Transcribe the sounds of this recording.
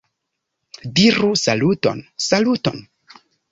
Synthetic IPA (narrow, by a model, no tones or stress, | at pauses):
diɾusaluto̰nsaluto̰n